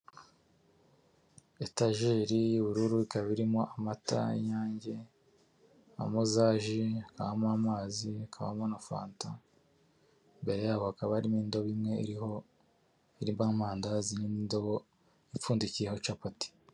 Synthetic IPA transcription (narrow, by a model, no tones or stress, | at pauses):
etaʒiːɾijuβuɾuɾuikaβiɾimo̞amata̰jaːɲɟe̞ | a̰muzaːʒiakaβamamaːziakʰaβa̰monafa̰ːnta | mbe̞ɾe̞jaːβohakaβaɾimiːndo̞βimŋe̞iiho | iɾimbaːmaːndazinimiːndoβo | ifuːndicijehot͡ʃapati̥